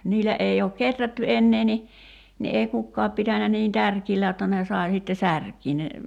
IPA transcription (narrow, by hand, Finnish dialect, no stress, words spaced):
niːlˑæ ʔei oːk ketrætːy enːeː ni ni ei kukːɑːp pitænæ niːn tærkiːlːæ jotːɑ ne sɑˑi sitːe særkiː ne